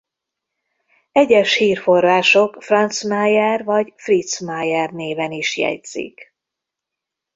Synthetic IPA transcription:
ɛɟɛʃhiːrfo̞rːaːʃo̞kfrɒnt̪smajɛrvɒɟfrit̪smajɛrneːvɛniʃjɛ̰dz̥ḭk

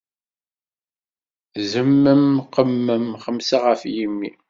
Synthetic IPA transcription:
zəmːəmqəmːəmχəmsaʁəfjimːḭ

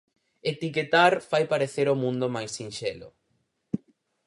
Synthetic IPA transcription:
et̪iket̪aɾfajpaɾeθeɾomũnd̪omajsinʃelʊ̰

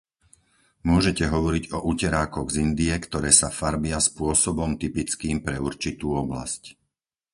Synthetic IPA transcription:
mʊɔʒɛcɛɦɔʋɔɾiɟɔʔucɛɾaːkɔɣzind̪iɛkt̪ɔɾɛːsafaɾbɪaspʊɔsɔbɔmt̪ipit͡skiːmpɾɛuɾt͡ʃit̪uːɔbla̰sc

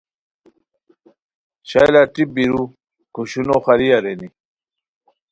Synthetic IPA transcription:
ɕajlaʈibiɾu | kuɕunoxaɾiaɾeni

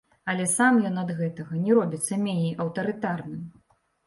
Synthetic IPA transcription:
ɐlʲɛsamjɔnɐd̪ɣɛt̪ɐɣɐnʲɛɾɔbʲit̪sːɐmʲenʲɛjɐwt̪ɐɾɨt̪arnɨm

